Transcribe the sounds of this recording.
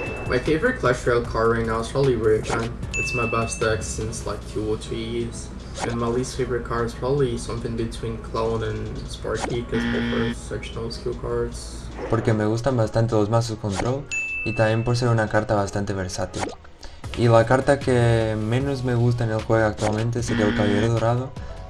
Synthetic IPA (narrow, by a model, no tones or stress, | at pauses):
mʔaɪfeɪvəɹɨt̚kʰl̥aʃtɹ̥eɪlˠkʰɑɹɪ̃ŋaspʰɹ̥ɑbəbliɹɪkãnɨtsmaɪbastɛksɪ̃nsla̰ɪkʰːjulˠt͡ʃʰiz̥ | ɨ̃nmaɪlisfeɪvəɹɨt̚kʰɑɹɨz̥pʰɹ̥ɑbəblisʌ̃mθɪ̃ŋbɨtʰw̥ĩnkʰlõʊ̃nɨ̃nspɑ̰ɹkikʰʌzðɨfəsɛkʃənl̩ˠskulˠkʰɑɹdz̥ | poɾkemeɣ̞us̬t̪ambast̪ant̪̬elozmas̬osko̞nt̪ɾolit̪amjempoɾs̬eɾunakaɾt̪aβast̪ant̪eβeɾsat̪il | ilakaɾt̪akemẽ̞nozmeɣus̬t̪aenelxweɣoak̚t̪walmẽnt̪̬eseɾiaelkaβajeɾðoɾaðo